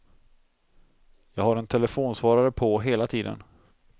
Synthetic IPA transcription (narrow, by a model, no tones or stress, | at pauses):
jɑːɡhaɾɛnt̪ʰɛlɛfoːnsvɑːɾaɾəpʰɔɦeːlat̪ʰiːd̪ə̰n